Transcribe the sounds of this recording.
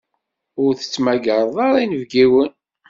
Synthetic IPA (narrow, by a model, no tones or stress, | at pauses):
ʊɾθə̥t͡sːmæɡəɾˤðˤɑɾˤinəvɡiwən